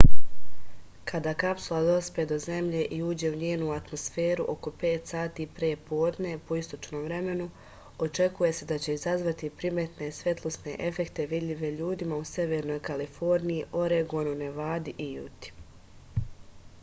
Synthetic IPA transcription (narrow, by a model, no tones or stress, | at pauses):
kad̪aːkapsulˠad̪o̞sped̪o̞ze̞mʎe̞ʔiuːd͡ʑe̞uɲeːnuat̪mo̞sfe̞ːɾuʔo̞ko̞pe̞ːt̪saːt̪iːpɾeːpo̞ːd̪ne̞po̞ist̪o̞t͡ʃno̞ːmʋɾe̞me̞nu | o̞t͡ʃe̞kuje̞se̞d̪at͡ɕe̞izazʋat̪ipɾimet̪nesʋe̞t̪lˠosne̞ʔe̞fe̞kt̪e̞ʋid̪ʎʲiʋe̞ʎuːd̪imause̞ʋe̞ɾno̞jkalifo̞ɾnijiʔo̞ɾeɡonune̞ʋaːd̪iʔijṵt̪i̥